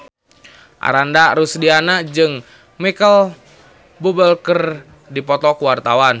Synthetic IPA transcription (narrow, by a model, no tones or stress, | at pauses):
ʔa̰ɾandaɾusdianad͡ʒɨŋ | mikəl | bubəlkər | dipɔt̪ɔkuwart̪awan